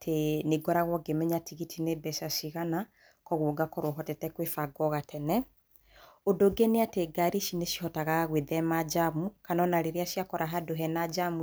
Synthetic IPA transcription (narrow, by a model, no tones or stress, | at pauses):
tʰeneɡɔɾaɣwɔɡemɛɲatiɣitʰinebɛʃasiɣana | kɔɣwɔɡakɔɾwɔɦɔtɛtɛkwefaɡɔɣatʰɛnɛ | odoɡeneateɡaɾiʃineʃi̥hɔtaɣaɣweðɛmad͡ʒamukanɔnaɾeɾeaʃiakɔɾaɦadoɦɛnad͡ʒamu